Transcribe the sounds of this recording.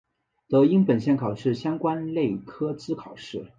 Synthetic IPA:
t̪ɤ˧˥i˥ŋpə˨˩nɕjɛ˥˩nkʰɑ˨˩ʊʂɻ̩˥˩ɕjɑ˥ŋkwa˥nle˥˩ɪkʰɤ˥t͡sɹ̩˥kʰɑ˨˩ʊʂɻ̩˥˩

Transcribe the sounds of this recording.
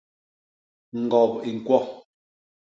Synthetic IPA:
ŋ̩˨ɡɔ˨pi˨ŋ̩˨kwɔ˦

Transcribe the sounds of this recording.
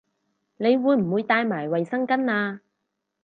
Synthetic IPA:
ne˨˧jwuː˨˧jm̩˨˩wuː˨˧jt̪aː˧jmaː˨˩jwɐ˨jsɐ˥ŋkɐ˥naː˧

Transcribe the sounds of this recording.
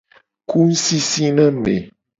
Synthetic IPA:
ku˦n̩˦si˦si˦nə̃˦mḛ˨

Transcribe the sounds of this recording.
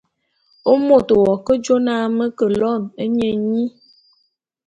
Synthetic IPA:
o˦mo˦˨t̪o˨wɔ˨kə˦d͡ʒo˦nã˦mə˦kə˨lɔ˦˨nə˦ɲe˦ɲĩ˦

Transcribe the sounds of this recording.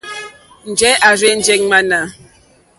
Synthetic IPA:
n̩˨d͡ʒɛ˨˦ʔa˨ɾe˦n̩˨d͡ʒe˦k̚ma˦na˨

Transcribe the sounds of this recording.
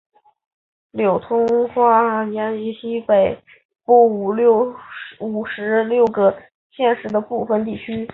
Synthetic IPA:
ljo˨˩ʊt̪ʰʊ˥ŋxwa˥˩nja˧˥ni˧˥ɕi˥pe˨˩ɪ | pɔ˥˩u˨˩ljo˥˩ʊu˨˩ʂɻ̩˧˥ljo˥˩ʊɡə˩ | ɕjɛ˥˧nʂɻ̩˧˥d̪ə˧pu˥˩fə˧nt̪i˥˩t͡ɕʰy˥

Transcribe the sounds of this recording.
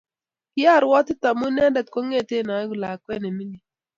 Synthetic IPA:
kɪ˦a˦˨ɾwɔ˦tɪ˦ta˨mu˦nɛ˦dɛ˨t̚ko˦ŋe˦˨te˦˨na˨˦ɡu˨la˨kwɛ˦ne˨mi˦ni˨

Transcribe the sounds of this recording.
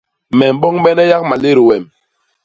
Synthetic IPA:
mɛ˨m̩˨˦bɔ˦ŋbɛ˦nɛ˦ja˦k̚ma˨le˦ɾi˨wɛ˨m

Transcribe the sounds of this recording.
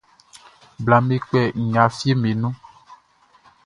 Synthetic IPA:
bla˨me˨k͡pɛ˨ŋ̩˨ɲã˨fi˦e˦me˨nũ˦

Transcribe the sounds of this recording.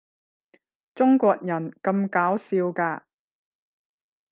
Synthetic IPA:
t͡sʊ˥ŋkʷɔː˧k̚jɐ˨˩nkɐ˧mkaː˨˥wsiː˧wkaː˧

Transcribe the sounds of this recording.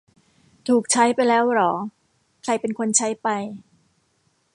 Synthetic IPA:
t̪ʰuː˨˩k̚t͡ɕʰa˦˥jpa˧jlɛː˦˥wɾɔː˩˦ | kʰɾa˧jpe˧nkʰo˧nt͡ɕʰa˦˥jpa˧j

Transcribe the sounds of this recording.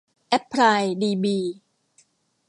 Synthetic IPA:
ʔɛ˦˥pʰːɾaː˧jdiː˧biː˧

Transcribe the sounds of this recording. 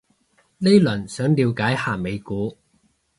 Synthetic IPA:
le˥jlɐ˨˩nsœː˨˥ŋliː˨˧wkaː˨˥jhaː˨˩me˨˧jkuː˨˥

